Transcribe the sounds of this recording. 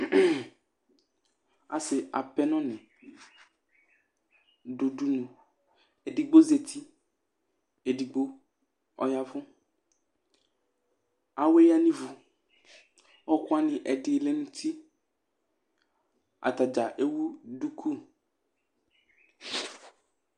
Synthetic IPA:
a̰˨sɪ˨a̰˨pɛ˦nɔ̃˦nɪ̃˨ | do˨du˦nũ˨ | e˨di˨ɡ͡bo˦ze˨t̪ʰi˦ | e˨di˨ɡ͡bo˦ | ɔ̰˨ja˦vʊ˦ | a˨we˦ja˦nĩ˦vu˨ | ɔ˦kʊ˦a˦nɪ̃˨ʔɛ˨dɪ˨le˦nũ˦t̪ʰi˦ | a̰˨t̪a˨d͡ʒa˨ʔe˦wu˦du˦kʰu˦˨

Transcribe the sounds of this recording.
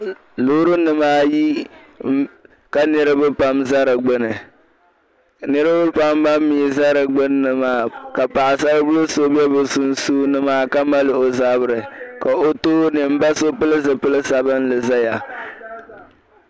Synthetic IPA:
lu˦ɾɨ˦nɨ˨maː˦ji˦ | ka˨nɨ˦ɾɨ˦bɨ˦pa˦mza˦ɾɨ˨ɡ͡bɨ˦nɨ˨ | nɨ˦ɾɨ˦bɨ˦pa˦mba˦mː˦iː˦˨za˦ɾɨ˨ɡ͡bɨ˦nː˦ɨ˨maː˦˨ka˨pa˨ʔɪ˨sa˦ɾɨ˦bʊ˦lʊ˦so˦bɛ˦bɨ˨su˦n˦suː˦nɨ˦maː˦ka˦ma˦lɨ˨o˨za˦bɨ˦ɾɨ˨ka˨o˦toː˦nɨ˨m̩˦ba˦so˦pɨ˦lɨ˦zɨ˨pɨ˦lɨ˦sa˨bɨ˦n˦lɨ˨za˦ja˨

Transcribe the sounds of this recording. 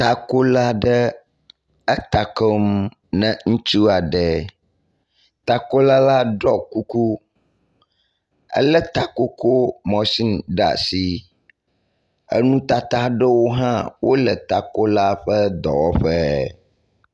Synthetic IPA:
t̪a˨ko˦la˦ɖə˦ | ə˦t̪a˨kɔ˦m | nɛ̃˨ŋũ˦t͡ʃu˦a˨ɖə˨ | t̪a˨ko˦la˦la˦ɖɔ˦ku˦ku˦ | ə̰˦lɛ˦t̪a˨ko˦ko˦mɔ̃˨si˦nɖa̰˨si˦ | ə̰˦nũ˦t̪a˨t̪a˦ɖə˦wo˦ɦã˦wʔo˦lə˨t̪a˨ko˦la˦ɸə˦d̪ɔ̰˨wɔ˦ɸɛ˦

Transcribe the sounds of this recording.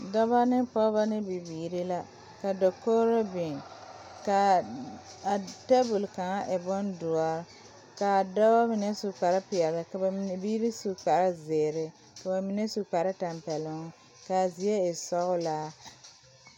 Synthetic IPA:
dɔ˦ba˦nɪ˦pɔ˦ba˦nɪ˦bi˨biː˨ɾi˦la˦ | ka˨dɔ˨koː˦ɾo˦bɪ˨ | ka˨ | a˨ta˦bu˨lka˨ŋa˦ʔɪ˨bɔ˦ndʊ˨ɔ˨ɾ | ka˨dɔ˦ba˦mɪ˨nɛ˦su˨k͡pa˨ɾɪ˦pɪ˨ɛ˨lɪ˨ka˨ba˨˦˨biː˦ɾi˦su˨k͡pa˨ɾɪ˦zɪː˨ɾɪ˨ | ka˨ba˨mi˨nɛ˦su˨k͡pa˨ɾɪ˦ta˨mpɛ˨lʊ˨ŋ˦ | ka˨zi˨e˦ɪ˨sɔ˦ɣʊ˦laː˦

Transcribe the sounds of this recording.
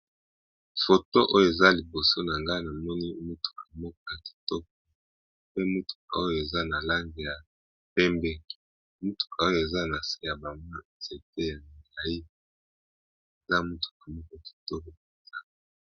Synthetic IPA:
fo˨to˦ʔo˦jo˨e˨za˦li˨bo˨so˦na˨ŋɡa˦na˨mɔ˦ni˦mu˦tu̥˨ka˨mɔ˦ko˨ja˨ki̥˨tɔ˦k̚ɔ˨ | pe˦mu˦tu̥˨k̚a˨o˦jo˨e˨za˦na˨la˦ŋɡe˨ja˨ | pɛ˦mbɛ˦ | mu˦tu̥˨kʰa˨o˦o˨e˨za˦na˨se˦ja˨ba˨mu˦a˨ze˨te˦ja˨ŋ˨ɡa˨i˦ | e˨za˦mu˦tu̥˨k̚a˨mɔ˦ko˨ja˨ki̥˨tɔ˦ko˨e˨za˦˨

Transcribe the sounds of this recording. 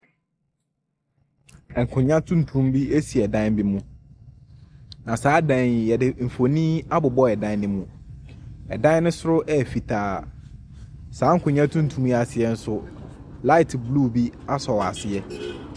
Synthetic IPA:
ɛ˨ŋ̩˨kʰʊ̃˨ɲã˦tʰũ˦n̩˨tʰũ˦mbi˦e˦si˨ɛ˨dã˦nbi˦mũ˦ | nã˨saː˨˦dã˨jɛ˨dɪ˨m̩˨fo˨nĩ˦a˦bʊ˨bɔ˦ɛ˨dã˦n˦nɪ̃˦mũ˦ | ɛ˨dã˦nɪ̃˦sʊ˦ɾʊ˦ʔɛ˦˨fi˨tʰaː˨ | saː˨˦ŋ̩˦kʰʊ̃˨ɲã˦tʰũ˦n̩˨tʰũ˦mja˨sɪ˨ɛ˨n̩˦sʊ˦ | la˦ɪ˨tʰblu˦bi˦a˦sɔ˨wa˨sɪ˨ɛ˦

